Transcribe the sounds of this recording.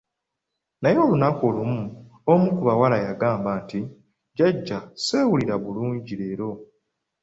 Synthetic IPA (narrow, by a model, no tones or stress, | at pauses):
najo̞ːlunako̞lumu | omukuβawalajaɡaːmbaːnti | ɟaɟːase̞ːwuliɾaβuluːɲɟiɾe̞ːɾo̞